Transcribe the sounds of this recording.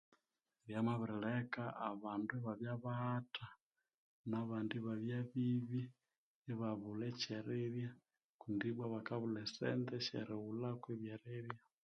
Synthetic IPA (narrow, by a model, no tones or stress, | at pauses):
ɾjamaβuɾiɺɛkaʔaβanduβaβjaβahata | naβandiβaβjaβiβi | iβaβulɛt͡ʃɛɾɛɾja | kundiβwaβakaβulɛsɛ̰nd̪ɛʃɛ̰ɾɛulakwɛβjɛɾɛɾja